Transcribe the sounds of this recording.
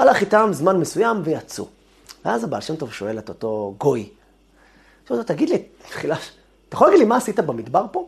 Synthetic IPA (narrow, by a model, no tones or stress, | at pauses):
alaχit̪amzmanmesujamvejat͡sṵ | veazaba̰lʃemt̪o̞vʃo̞e̞let̪o̞to̞ɡo̞j | ʃuvtot̪aɡidlit̪χilaʃ | t̪ajaxolaɡidlimaːsit̪abamid̪baʁpo̞